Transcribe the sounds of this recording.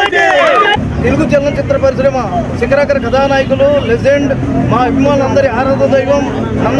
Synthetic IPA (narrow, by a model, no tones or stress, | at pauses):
t̪eluɡut͡ʃɛlnɐnt͡ʃit̪ɾɐpɐɾisɾɐmɐt͡ʃikɐɾaːkɐɾɐɡɐd̪aːnaːjɐkululed͡ʒeɳɖ | maːɐbʱimaːnulɐnd̪ɐɾiaːɾaːd̪ɐd̪ɐjʋɐm | nɐn